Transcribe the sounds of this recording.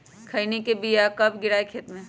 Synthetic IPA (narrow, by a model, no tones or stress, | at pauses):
kʰɐinekebijakɐbɡɪɾaːekʰeːt̪mẽ